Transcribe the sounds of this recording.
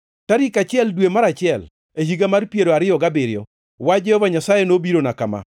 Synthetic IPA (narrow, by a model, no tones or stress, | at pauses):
taɾikat͡ʃɪɛldwemaɾat͡ʃɪɛl | ehiɡamarpjeɾoaɾɪjɔɡabɪɾɪjɔ | wad͡ʒɛhɔvaɲasajenobiɾonakama̰